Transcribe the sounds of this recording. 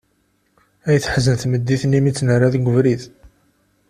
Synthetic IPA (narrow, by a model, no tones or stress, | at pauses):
æjəθħzənθməd̪ːiθnimit͡sːnəraðɡʷəvɾiθ